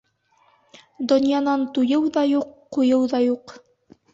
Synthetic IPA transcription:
d̪ŏnʲjanɑnt̪ujɤwðɑjuqːujɤwðɑjuq

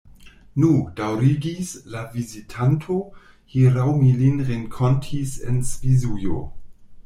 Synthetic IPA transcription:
nud̥awɾiɡislavizitʰantʰo | hiɾawmilinʁeŋkʰontʰisḛnsvizujo̰

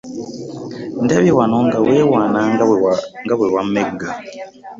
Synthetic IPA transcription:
ndaβiwanoŋɡawewaːna | ŋɡaβwewameɡa

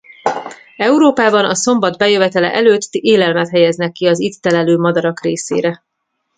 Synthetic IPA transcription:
ɛuɾoːpaːbɒnɒso̞mbɒd̪bɛjøvɛt̪ɛlɛ̰ʔɛløːt̪ːeːlɛlmɛt̪ɦɛjɛznɛkːiɒzit̪ːɛlɛløːmɒd̪ɒɾɒkreːsḛːɾɛ

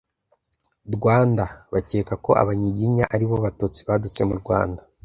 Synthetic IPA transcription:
ɾɡwaːndaβace̞ːkako̞ʔa̰βaɲiɟiɲaʔaɾiβo̞βatuːt͡si̥βadut͡se̞muɾɡwa̰ːnda

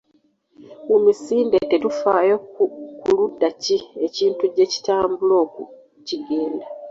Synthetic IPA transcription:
umisiːndetetufaːjokkuludːacie̞ciːntuɟe̞ci̥taːmbulo̞ːku | ciɡe̞ːnda

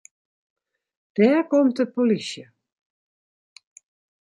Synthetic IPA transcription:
d̥ɛːrkɔmtəpolisjə

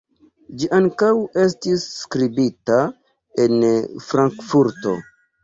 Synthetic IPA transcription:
d͡ʒiʔaŋkawe̞stisːkɾibita | e̞nfɾaŋkfuɾto̞̰

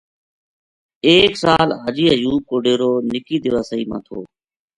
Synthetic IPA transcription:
eːksaːlɦəd͡ʒiːəjuːb̚koːɖeːɾoːnɪkiːd̪ɪʋaːsəiːmã̰ːt̪ʰoː

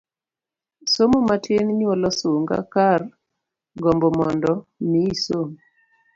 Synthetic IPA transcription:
somomatenɲwɔlɔsoŋɡa̰kar | ɡɔmbɔmɔndɔmiːsom

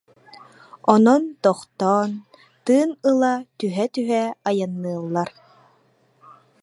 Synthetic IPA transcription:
ɔnɔnt̪ɔχt̪ɔːn | t̪ɯːnɯlˠat̪yɦɛt̪yɦɛajanːɯːlˠːaɾ

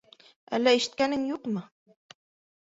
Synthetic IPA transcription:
æ̰lːæiʃɘ̥̆t̪̚kænɘŋjuqmɤ

